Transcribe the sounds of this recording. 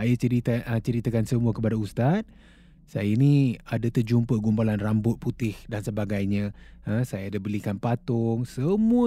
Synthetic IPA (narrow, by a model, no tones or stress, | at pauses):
ajaəɾiət͡ʃəɾit̪akansəmuəkəpadaust̪at̪̚ | sajainiadat̪ərd͡ʒumpəɡumbalanrambʊt̪̚put̪ɪhdansəbaɡajɲə̃əsajadabəlikanpat̪ʊŋsəmuə